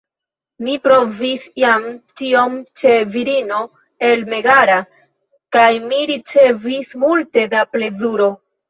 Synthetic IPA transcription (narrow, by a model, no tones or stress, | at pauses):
mipɾo̞visiamtio̞mt͡ʃe̞viɾino̞ | e̞lme̞ɡaɾa | kajmiɾit͡ʃe̞vismulte̞daple̞zuɾo̞